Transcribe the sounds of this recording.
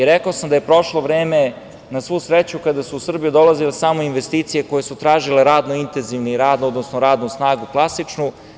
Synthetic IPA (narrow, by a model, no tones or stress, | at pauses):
iɾɛkaosamd̪aje̞pɾo̞ʃlˠoʋɾeːme | nasʋuusɾet͡ɕukad̪asuːsr̩bijud̪o̞lˠazilesaːmoinʋest̪iːt̪sije̞ko̞jesut̪ɾaːʒile̞ɾaːd̪noint̪enziʋniɾaːd̪nood̪nosnoɾaːd̪nusnaːɡuklˠasit͡ʃnu